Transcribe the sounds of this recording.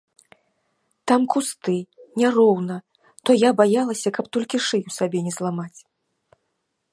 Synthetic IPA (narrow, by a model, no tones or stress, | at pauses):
t̪amkust̪ɨnʲarɔwnɐ | t̪ɔjabajalˠɐsʲɐkɐpt̪ɔlʲkʲiʂɨjuwsabʲɛnʲɛzlˠamat͡sʲ